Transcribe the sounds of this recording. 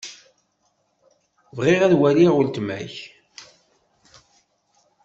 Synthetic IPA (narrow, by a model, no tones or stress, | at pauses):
vʁɪʁæðwæliʁʊlt̪mæ̰ç